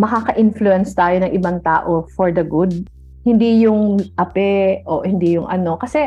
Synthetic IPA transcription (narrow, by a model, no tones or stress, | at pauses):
mɐkakɐʔɪnfluɛnst̪aːjo̞nɐŋʔɪbaŋt̪aːʔofɔɹd̪ɐɡʊd̪̚ | hɪnd̪ijʊŋʔɐpɛʔohɪnd̪ijʊŋʔɐno̞kɐsɛ